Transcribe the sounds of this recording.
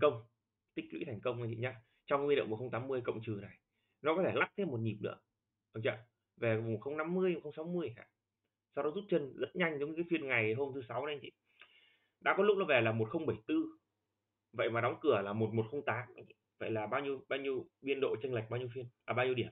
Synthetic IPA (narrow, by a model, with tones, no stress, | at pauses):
kə˧wŋ͡m | t̪ï˦˥k̟̚lwḭ˧˥t̪ʰa˨˩jŋ̟kə˧wŋ͡ma˧˩t͡ɕḭ˧˨˩ɲa˧ | t͡ɕɔ˧ŋ͡mwi˧nlḭ˧˨kːxə˧wŋ͡mt̪aː˨˦mːɨ˧əjkə̰˧˨wŋ͡mt͡ɕɨ˨˩na˨˩j | nɔ˨˦kɔ˨˦t̪ʰe˧˩la˦˥k̚t̪ʰe˧mːo˨˩t̚ɲi˨˩p̚nɨ̰˧˥ə | ʔə˧˩t͡ɕa̰ː˧˨ | ve˨˩vxə˧wŋ͡mna˧mːɨ˧əjo˨˩xə˧wŋ͡msa˨˦wmɨ˧əjɦa̰ː˧˨ | sa˧wɗɔ˨˦zu˦˥t̚t͡ɕə˧nzə˦˥t̚ɲa˧jŋ̟zɲ˧kːaː˨˦fi˧ənŋa˨˩jɦo˧mt̪ʰɨ˨˦sa˨˦we˧nt͡ɕḭ˧˨ | ɗa̰ː˧˥kɔ˨˦lʊ˦˥k͡p̚nɔ˨˦vɛ˨˩laː˨˩mo˨˩t̚xə˧wŋ͡mɓə˧˩jt̪ɨ˧ | və̰˧˨jmaː˨˩ɗɔ˨˦wŋ͡mkɨ˧˩əlaː˨˩mo˨˩t̚mo˨˩t̚xə˧wŋ͡mt̪aː˨˦m˧˨və̰˧˨jlaː˨˩ɓaː˧wɲi˧əwɓaː˧wɲi˧əwɓi˧ənɗo̰˧˨t͡ɕə˧nla˨˩k̚ɓaː˧wɲi˧ə˧fi˧ənlaː˨˩aː˧ɲi˧əwi˧˩ə˨